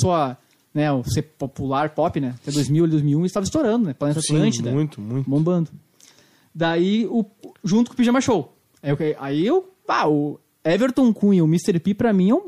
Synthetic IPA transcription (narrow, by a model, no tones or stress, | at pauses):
soɐ | nɛʊsepopulaɾpɔpɪnɛat̪ɛd̪ojzmiwalid̪ojzmiwũist̪avɐist̪oɾɐ̃nd̪ʊnɛplanet̪ɐt̪ɾɐ̃t͡ʃɪũj̃t̪ʊmũbõbɐ̃nd̪ʊ | d̪aiʊʒũt̪ʊ̥kʊpiʒɐmaʃow | kaiewpaʊ | ɛveɾt̪õkũewmist̪eɾpipɾɐmĩɛ̃